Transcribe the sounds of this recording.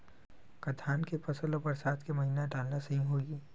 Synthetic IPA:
kɐd̪ʰaːnkepɐsəlõpɐɾsaːt̪ʰkemɐɦiːnaɖaːlnasɐɦĩɦoːɡiː

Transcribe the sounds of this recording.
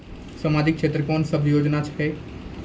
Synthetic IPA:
səmad͡ʒik̚t͡ʃʰet̪ɾəkɔnsəbʱjoːd͡ʒnat͡ʃʰɦɛ

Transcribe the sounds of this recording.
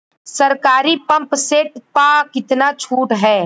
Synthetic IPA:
sɐɾkaːɾipɐ̃mpseːʈpaːkɪt̪nat͡ʃʰuːʈɦɛː

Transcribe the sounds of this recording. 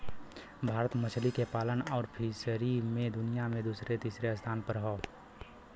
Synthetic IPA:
bʱaːɾət̪mət͡ʃʰlikepaːlənɔːɾpʰisəɾimẽd̪ʊnijamẽd̪uːsɾet̪iːsɾeəst̪ʰaːnpəɾɦoː

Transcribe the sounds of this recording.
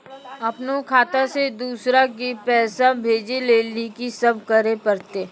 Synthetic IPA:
ɐpnokʰaːt̪ased̪uːsɾakipɛːsabʱeːd͡ʒeleːnekisɐb̚kəɾepəɾt̪e

